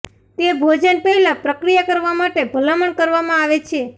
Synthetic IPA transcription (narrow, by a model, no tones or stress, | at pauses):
t̪ebʱod͡ʒənpəɦilapɾəkɾijakəɾʋamaʈebʱəlaməɳkəɾʋamãaʋet͡ʃʰe